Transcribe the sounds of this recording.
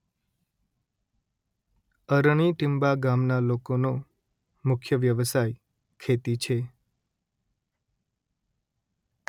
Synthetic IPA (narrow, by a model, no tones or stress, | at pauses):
əɾɳ̃iʈɪmbaɡamnalokono | mʊkʰjəʋjəʋəsaj | kʰet̪it͡ʃʰe